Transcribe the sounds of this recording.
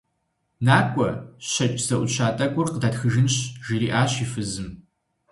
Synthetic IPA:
naːkʷʼɔɕɐt͡ʃʼzɐʔʷʊt͡ʃʰaːtʼɐɡʷʊrqdaːtxɨʒɨnɕʒiɾiːʔaːɕiːfɨzɨm

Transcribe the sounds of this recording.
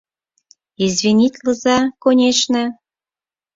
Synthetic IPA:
izβʲinʲit̪ʲlə̆zɑkonʲeʃnə

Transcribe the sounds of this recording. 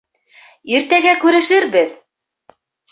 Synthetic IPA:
iɾt̪æɡækʉɾɘ̆ʃɘɾbɘð

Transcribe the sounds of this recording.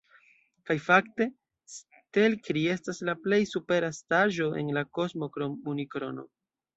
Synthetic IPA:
kajfakte̞ | s | te̞lkɾie̞staslaple̞jsupe̞ɾastaʒo̞ʔe̞̰nlako̞smo̞kɾomunikɾo̞̰no̞̰

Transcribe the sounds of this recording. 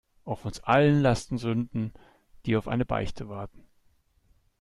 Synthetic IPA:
ʔaʊfʊnsʔalənlastn̩zʏndn̩ | d̥iːaʊfʔa̰ɪnəba̰ɪçtʰəvaɐtn̩

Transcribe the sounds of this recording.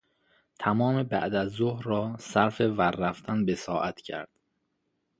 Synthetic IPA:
t̪ʰæmɒːmebæ̰ʔd̪æzːohɾɾɒːsæɾfevæɾːæft̪ʰænbesɒːʔæt̪ʰcʰæ̰ɾd̪̥

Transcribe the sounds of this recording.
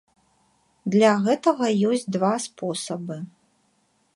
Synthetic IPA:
d̪lʲaɣɛt̪ɐɣɐjɔsʲt͡sʲd̪vaspʰɔsɐbɨ

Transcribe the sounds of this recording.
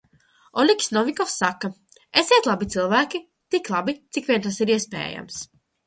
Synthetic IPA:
ɔlʲikʲsnɔvʲikɔfsːakːa | esʲeɛt̪lˠabit̪sɨlˠvæːkʲi | t̪iklˠabit̪sikvʲiɛnt̪asiɾiɛspɛ̰ːja̰ms

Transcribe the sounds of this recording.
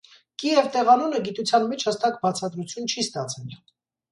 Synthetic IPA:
kijɛvt̪ɛʁɑnunəɡit̪ut͡sʰjɑnmit͡ʃʰhəst̪ɑkbɑt͡sʰɑd̪ɾut͡sʰjunt͡ʃʰist̪ɑt͡sʰɛl

